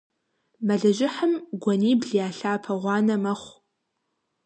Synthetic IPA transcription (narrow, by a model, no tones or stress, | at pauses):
mɐɮɐʒɪħəmɡʷɔniːbɮijaːɬaːpʰɐʁʷɑːnɐmɐχʷ